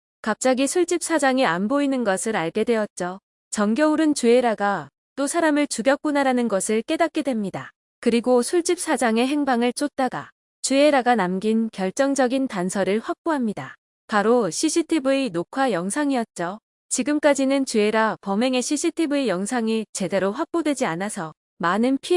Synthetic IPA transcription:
kap̚t͡ɕ͈aɡisʰuɭt͡ɕ͈ip̚s͈ʰad͡ʑaŋianboinɯnɡʌsʰɯɾaɭɡe̞dwe̞ʌt̚t͡ɕ͈o | t͡ɕʌŋɡjʌuɾɯnt͡ɕue̞ɾaɡa | t͈osʰaɾamɯɭt͡ɕuɡjʌkk͈unaɾanɯnɡʌsʰɯɭk͈e̞dat̚k͈edwe̞mɲida | kɯɾiɡosʰuɭt͡ɕ͈ip̚s͈ʰad͡ʑaŋe̞ɦe̞ŋbaŋɯɭt͡ɕ͈ot̚t͈aɡa̰ | t͡ɕueɾaɡanamɡinkjʌɭt͡ɕ͈ʌŋd͡ʑʌɡintansʰʌɾɯɭɸwak̚p͈oɦamɲida | paɾoɕʰiɕʰitʰibɯinokʰwajʌŋsʰaŋiʌt̚t͡ɕ͈o | t͡ɕiɡɯmk͈ad͡ʑinɯnt͡ɕueɾapʌme̞ŋe̞ɕʰiɕʰitʰibɯejʌŋsʰaŋit͡ɕe̞de̞ɾoɸwak̚p͈odwe̞d͡ʑianasʰʌ | manɯnpʰi

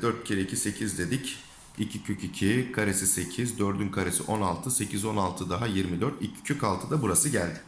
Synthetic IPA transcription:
d̪øɾt̪̚cʰiɾeicʰise̞cʰizd̪e̞d̪ic | icʰicʰycʰyicʰikʰaɾe̞sise̞cʰizd̪øɾd̪ynkʰaɾe̞sḭʔo̞nalˠt̪ʰɯse̞cʰizo̞nalˠt̪ʰɯd̪aɦajiɾmid̪øɾt̪icʰi̥cʰøcalˠt̪ʰɯd̪abuɾasɯɟælʲd̪ɪ

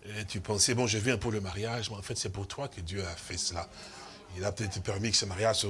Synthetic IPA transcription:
ɛt̪ypɑ̃sɛbɔ̃ʒəvyɛ̃pøləmaʁjaʒmɛɑ̃fɛt̪sɛpuʁt̪wakəd̪jøafɛsəla | ilapøt̪ɛt̪χəpɛʁmikə̥səmaʁjaʒ

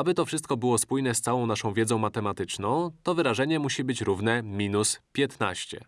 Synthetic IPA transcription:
abɘt̪ɔfʂɘst̪̚kɔbɘwɔspujn̪ɛst̪sawɔ̃w̃naʂɔ̃w̃vʲjɛd̪zɔ̃w̃mat̪ɛmat̪ɘt͡ʂnɔ̃w̃t̪ɔvɘɾaʐɛɲɛmuɕibɘt͡ɕɾuvnɛmʲinuspʲjɛt̪na̰ɕt͡ɕɛ̰

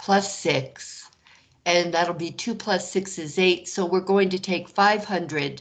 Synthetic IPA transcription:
pʰl̥ʌsɪks | ɨ̃nðæɾl̩ˠbitʰʉupʰl̥ʌsɪksɨzeɪtsoʊwɪɹɡoʊɪ̃ŋtɨtʰeɪkfaɪv̥hʌ̃ndɹɨd̥̚

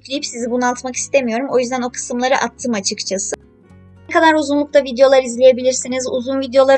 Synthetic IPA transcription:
clʲijipsizibunɯalˠt̪maki̥st̪ʰe̞mijo̞ɾumo̞jyzd̪æno̞kʰɯ̥sɯmlˠaɾɯʔat̪ʰːɯmat͡ʃʰɯkt͡ʃʰasɯ | kʰad̪aɾuzunlˠuk̚t̪ʰavid̪ejo̞lˠaɾizlʲe̞je̞bilʲiɾsinizuzunvid̪ejo̞lˠa

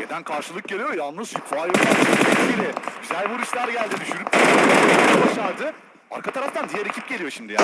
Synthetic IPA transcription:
ed̪ænkʰaɾʃɯlˠɯk̚ɟe̞lʲijo̞jalˠnɯzjykvaːjok̪aiibiɾɛɟyzælʲbiuɾuʃlˠaɾd̪aɟælʲd̪id̪yʃyɾyp̚aabaʃaɾd̪ɯ | a̰ɾkʰat̪ʰaɾaft̪ʰand̪ijɛɾe̞cʰip̚ɟe̞lʲijo̞ʃimd̪ija

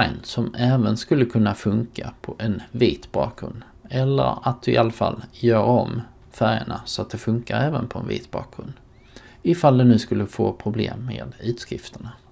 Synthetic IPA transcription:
ajnsɔmɛːvənskɵlːəkʰɵnːafɵŋkapʰɔʔɛnviːt̪bɑːkɡɾɵnd̪ | ɛlːə̰ɾat̪̚d̪ɵɪʔalːafa̰ljœːɾɔm | fæɾjəɳasɔat̪̚d̪ɛfɵŋkaɾɛːvənpʰɔɛnvḭːt̪bɑ̰ːk̚ɡɾɵnd̪ | ɪfald̪ɛnʉ̟ːskɵlːəfoːpʰɾʊblḛːmːeːd̪ʉ̟ːt̪skɾɪft̪əɳa

